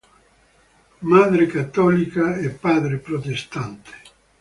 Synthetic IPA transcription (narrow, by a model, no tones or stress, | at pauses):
mad̪ɾekat̪ːɔlikaɛpːad̪ɾepɾot̪est̪ant̪e̥